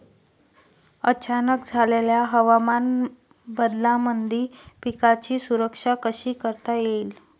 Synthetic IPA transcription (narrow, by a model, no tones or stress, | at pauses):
ət͡ɕanək̚d͡zʱaleljaɦəʋaman | bəd̪lamənd̪ʱiːpikat͡ɕiːsuɾəkʂakəɕiːkəɾt̪ajeil